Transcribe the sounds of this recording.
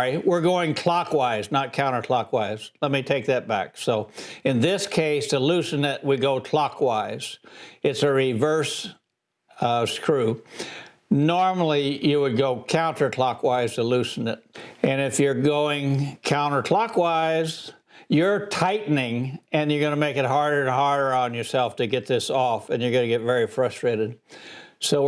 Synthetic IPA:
iwɪɹɡoʊɪ̃ŋkʰl̥ɑkwaɪznət̚kʰãʊ̃ɾ̃ə˞kʰl̥ɑkwaɪz̥lɛt̚mitʰeɪk̚ðɨt̚b̥æ̰ksoʊɨ̃nðɪskʰeɪsəlʉsɨnɪʔ̚wiɡoʊkʰl̥ɑkʰwaɪz̥ɨtsɨɹivɜ˞s | skʰɹʉ | nɔɹml̩ˠijɨwɨd̚ɡoʊkʰãʊ̃ntə˞kʰl̥ɑkwaɪz̥tʰəlʉsn̩ɪt̚ɨ̃nɪfjə˞ɡoʊɪ̃ŋkʰãʊ̃ñə˞kʰl̥ɑkwaɪz̥ | jə˞tʰaɪʔn̩ɪ̃ŋɨ̃njə˞ɡʌnɨmeɪkɨt̚ɦɑɹɾə˞ɨ̃nɦɑɹɾə˞ə̃njə˞sɛlˠftʰɨɡɛt̪̚ðɪsɔfɨ̃njə˞ɡʌnɨɡɛtvɛɹifɹʌstɹ̥eɪɾɨd̥̚soʊ

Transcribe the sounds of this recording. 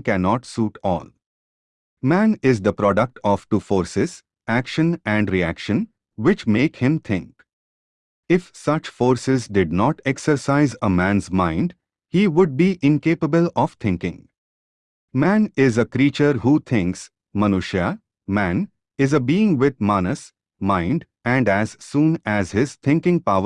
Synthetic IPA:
kænɔːʈsuːʈʰɔ̰ːl | mæ̃ːnɪzd̪əpɾɔːɖək̚ʈʰɔʋʈuːfoːɾsɪz̥ | ækʃə̃næ̃ɳɖɾiæ̰kʃə̃n | ʋɪt͡ʃmeːkhɪ̃mt̪ʰɪ̃ŋk | ɪfsʌt͡ʃfoːɾsɪzɖɪɖ̚nɔːʈɛksəɾsaɪzəmæ̃nzmãɪ̃ɳɖ | hiːʋʊɖ̚biʔɪ̃nkeːpəbəlɔʋt̪ʰɪ̃ŋkɪ̰̃ŋ | mæ̃nɪzəkɾiːt͡ʃəɾhuːt̪ʰɪ̃ŋks | mənuʃja | mæ̃n | ɪzəbiːɪ̃ŋʋɪt̪̚mɑnəs | mãɪ̃ɳɖ | æ̃ɳɖæz̥sũːnæzhɪzt̪ʰɪ̃ŋkɪ̃ŋpaʊə

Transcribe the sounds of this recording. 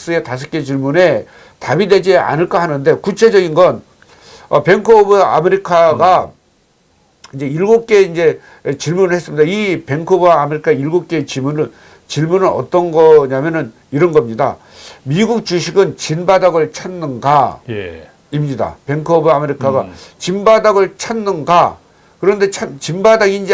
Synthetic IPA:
s͈ɯe̞tas̬ʰɯk͈e̞t͡ɕiɭmune̞ | tabide̞d͡ʑia̰nɯɭk͈ahanɯnde̞kut͡ɕʰe̞d͡ʑʌɡinɡʌn | ʌpe̞ŋkʰobɯa̰meɾikʰaɡa | ind͡ʑe̞iɭɡuk͈e̞ind͡ʑe̞ | t͡ɕiɭmunɯɭhe̞s͈ɯmɲidaipe̞ŋkʰobɯaːmeɾikʰaiɭɡok͈e̞t͡ɕimunɯ | t͡ɕiɭmunɯɾʌ̰t͈ʌnɡʌɲamjʌnɯn | iɾʌnɡʌmɲida̰ | miɡuk̚t͡ɕuɕʰiɡɯnt͡ɕinbadaɡɯɭt͡ɕʰanːɯnɡaj | imɲida̰pe̞ŋkʰobɯameɾikʰaɡat͡ɕimbadaɡɯɭt͡ɕʰanːɯnɡa | kɯɾʌnde̞t͡ɕʰamt͡ɕimbadaɡiːnd͡ʑe

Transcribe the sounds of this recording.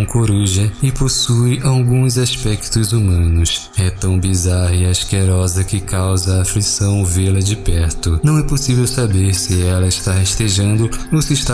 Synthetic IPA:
koɾuʒɐɪposujʔawɡũzaspɛkt̪ʊzumɐ̃nʊs | ɛt̪ɐ̃w̃bizaɾɐɪaskeɾɔzɐkɪkʰawzɐːflisɐ̃w̃velɐd͡ʒɪpɛɾt̪ʊnɐ̃w̃ɛposivewsabeɾsɪɛlɐɪʃt̪aheʃt̪eʒɐ̃nd̪ʊosɪʃt̪a

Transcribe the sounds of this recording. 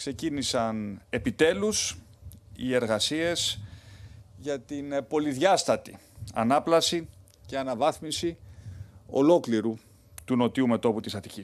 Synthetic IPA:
kse̞cinisɐne̞pit̪e̞lus | ie̞ɾɣɐsie̞s | ʝɐt̪inpo̞liðʝɐst̪ɐt̪i | ɐ̰nɐplɐsi | ce̞ɐnɐvɐθmisi | o̞̰lo̞kliɾu | t̪uno̞t̪iume̞t̪o̞put̪isɐt̪icis

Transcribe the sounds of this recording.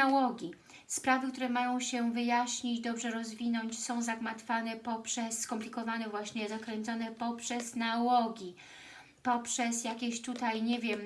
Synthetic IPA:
awɔɡʲi | spɾavɘk̚t̪uɾɛmajɔ̃w̃ɕɛvɘjaɕɲid͡ʑd̪ɔbʐɛɾɔzvʲinɔɲt͡ɕsɔ̃w̃zaɡmat̪fanɛpɔpʂɛsːkɔmplʲikɔvanɛvwaɕɲɛzakɾɛnt̪sɔnɛpɔpʂɛznawɔɡʲi | pɔpʂɛsjakʲeɕt̪ut̪ajɲɛvʲjɛm

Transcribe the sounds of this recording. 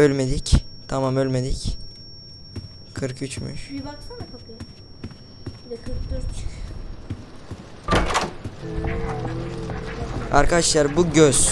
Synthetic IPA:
ølʲme̞d̪ict̪ʰamamølʲmed̪ic | kʰɯɾkyt͡ʃʰmy̰ʃ | a̰ɾkʰadaʃlˠaɾbuɟøz̥

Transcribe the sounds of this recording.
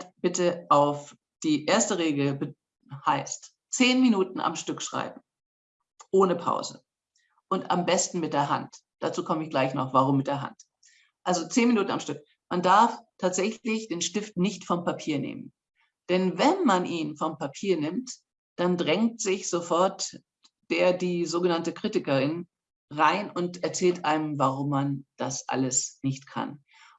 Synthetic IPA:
b̥ɪtəʔaʊf | d̥iːʔeːɐstəʁeːɡl̩bə | haɪst | t͡seːnminuːtn̩ʔa̰mʃtʏkʃʁ̥a̰ɪbm̩ | ʔoːnəpʰa̰ʊzə̰ | ʔʊnta̰mbɛstn̩mɪt̚d̥eːɐɦa̰ntd̥at͡suːkʰɔməɪçɡ̥laɪçnɔ̰χv̥aʁ̞ʊmːɪt̚d̥eːɐɦa̰nt | ʔalzot͡seːnminuːtn̩a̰mʃtʏk | mandaɐftʰaːtz̥ɛçlɪçd̥eːnʃtɪftnɪçtfɔmpapʰiːɐnḛːmə̰n | d̥ɛnvɛnmanʔiːnfɔmpapʰiːɐnɪmt | d̥andʁɛŋktz̥ɪçz̥ofɔɐt | d̥eːɐdiːzoːɡənantəkʁ̥itɪkɐʁɪn | ʁaɪnʊntɛɐt͡sɛːltʔaɪnəmvaʁʊmːand̥asʔa̰ləsnɪçtkʰa̰n

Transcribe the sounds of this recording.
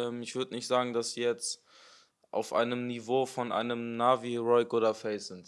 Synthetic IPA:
ɛmɪçv̥ʏɐdənɪçtz̥aːɡŋ̩dasz̥iːjɛt͡st | ʔa̰ʊfʔa̰ɪnəmnivoːfɔnʔa̰ɪnəmnaːviʁɔʏɡoːdɐfɛsz̥ɪnt

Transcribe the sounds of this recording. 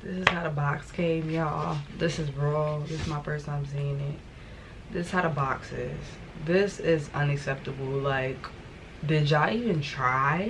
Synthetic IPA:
ðɪsɨz̥haʊɾəbɑkskʰẽɪ̃mjæðɪsɨzɹɔðɪsɨzmaɪpʰɜ˞sə̃nãɪ̃msĩɪ̃ŋɪt̚ | ðɪsɨz̥haʊɾəbɑksɪ̰z̥ | ðɪsɪzʌ̃nɨksɛp̚təbl̩ˠlaɪk | dɪd͡ʒaɪivɨ̃ntʰɹ̥aɪ

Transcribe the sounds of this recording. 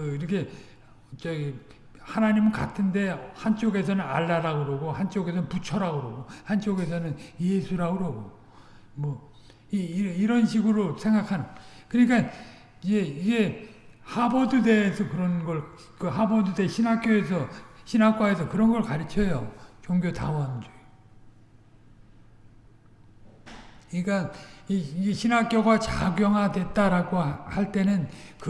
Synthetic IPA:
iɾʌkʰe̞ | t͡ɕʌ | hanaɲimɯnka̰tʰɯnde̞hant͡ɕ͈oɡe̞s̬ʰʌnɯna̰ɭːaɾaɡoɾoɡohant͡ɕ͈oɡe̞s̬ʰʌnput͡ɕʰʌɾaɡoɾoɡohant͡ɕ͈oɡe̞s̬ʰʌnɯnjesʰuɾaɡoɾoɡo | mwʌ | iɾiɾʌnɕʰiɡɯɾosʰe̞ŋɡakʰanɯnkɯɲik͈a | id͡ʑe̞iɡe̞ | habodude̞ːsʰʌkɯɾʌnɡʌɭ | kɯɦabodudeɕʰinak͈joesʰʌɕʰinɦak͈waesʰʌkɯɾʌnɡʌɭkaɾit͡ɕʰʌjot͡ɕoŋɡjota̰wʌnd͡ʑoo | ik͈a | iɡe̞ɕʰinak͈joɡat͡ɕa̰ɡjʌŋɦadwe̞t͈aɾaɡohaɭt͈e̞nɯnk

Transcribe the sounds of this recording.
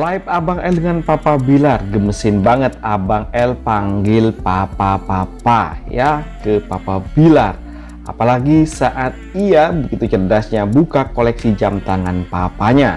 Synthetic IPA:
laɪp̚abaŋɛldəŋanpapabilarɡəməsɪnbaŋət̪̚abaŋɛlpaŋɡɪlpapapapajakəpapabilar | a̰palaɡisaʔat̪̚iabəɡit̪ut͡ʃərdasɲabukakolɛksid͡ʒamt̪aŋanpapaɲa

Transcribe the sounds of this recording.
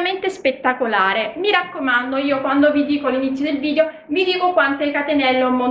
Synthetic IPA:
ment̪espet̪ːakolaːɾemiɾakːomand̪oiːokwand̪ovid̪iːkoalːinit̪sːjod̪elviːd̪eo | mid̪iːkokwant̪ɛilkat̪enɛlːomo

